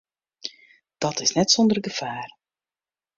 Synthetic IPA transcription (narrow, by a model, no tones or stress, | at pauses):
d̥ɔtɪsnɛtsɔndərɡəfaːr